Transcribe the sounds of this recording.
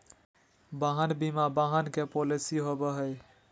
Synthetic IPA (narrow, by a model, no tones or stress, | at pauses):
baɦənbimabaɦənkepolisiɦobəɦəj